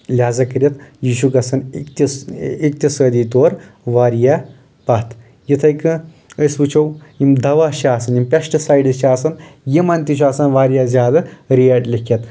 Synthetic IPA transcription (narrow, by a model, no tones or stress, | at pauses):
lʲaːzɐkɐɾʲɐt̪jiːʃukɐsɐnkt̪ʲik̚t̪ʲɐsəːd̪iːt̪oːɾʋaːɾija | paːt̪ | jit̪ʰɐjkɨ | əsbɨt͡ʃʰowimd̪ɐʋaːʃiaːsɐnimpʲɐʃʈɐsaːjɖɐʃiaːsɐnjimɐnt̪iʃʰuaːsɐnʋaːɾijazʲjaːd̪ɐɾijɐʈlʲikʰɐt̪